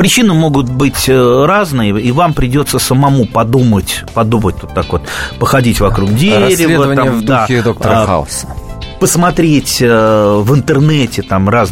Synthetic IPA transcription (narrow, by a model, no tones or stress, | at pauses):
pɾʲɪt͡ɕinɨmo̞ɡʊt̪̚bɨtʲəɾaznɨjəivampɾʲɪdʲo̞t̪səsəmɐmupɐd̪umətʲpɐd̪umət̚ʲvot̪ːakvo̞t̪pəxɐdʲitʲvɐkɾuɡdʲeɾsʲɪvdəvəamvd̪uaxɪd̪okt̪əɾəxa̰lsəpəsmɐt̪ɾʲetʲəvɨnt̪ɨrnɛtʲɪt̪amraz